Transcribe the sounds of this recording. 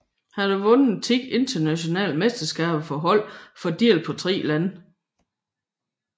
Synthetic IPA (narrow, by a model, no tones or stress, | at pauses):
hæɾ̥uʋɔ̽nət͡sʰiɡ̥e̝nd̥ɐnæɕo̝nɛ̰ːlmesd̥ɐsɡ̥ɛ̰ːb̥fɒɦɒ̽l̰fɒ̽d̥iɐlpʰɒ̽t͡sʰʁḭːlæn